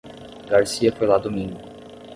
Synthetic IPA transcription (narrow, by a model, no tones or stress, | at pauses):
ɡaɾsiɐfojlad̪omĩŋɡʊʊ